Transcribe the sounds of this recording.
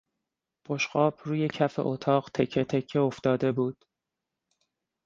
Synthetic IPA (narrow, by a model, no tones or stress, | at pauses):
pʰo̞ʃɢɒːb̥ruːje̞cʰæfe̞̰ʔot̪ʰɒːɢt̪ʰecʰːet̪ʰecʰːeo̞ft̪ɒːd̪e̞buːd̪̥